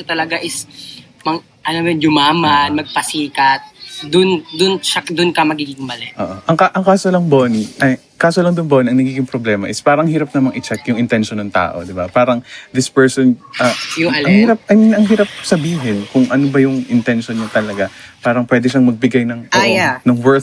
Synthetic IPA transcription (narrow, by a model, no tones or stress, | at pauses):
ɐt̪ɐlɐɡaʔɪs | mɐŋ | ʔɐnomɛd͡ʒʊmaːmɐnmɐɡ̚pɐsiːkɐt̪̚d̪ʊnd̪ʊnʃɐd̪ʊnkɐmɐɡiːɡɪŋmɐlɛʔoːʔoʔɐŋkaʔɐŋkaːsolɐŋboːniʔɐj | kaːsolɐŋd̪ʊnboːniʔɐŋnɐɡiːɡɪŋpɾoblɛːmɐ̰ʔɪspaːɾɐŋhiːɾɐp̚nɐmɐŋʔɪt͡ʃɛkjʊŋʔɪnt̪ɛnʃonːɐŋt̪a̰ːʔo̞̰d̪ɪbapaːɾɐŋd̪ɪspɛɹsonʔɐjʊɐʔɐŋhiːɾɐp̚ʔɐʔɐŋɦiːɾɐp̚sɐbiːɦɪnkʊŋʔɐnobɐjʊŋʔɪnt̪ɛnʃonːɐt̪ɐlɐɡapaːɾɐŋpwɛːd̪ɛʃaŋmɐɡ̚bɪɡajnɐŋt̪ɐʔoanɐŋwɛɹ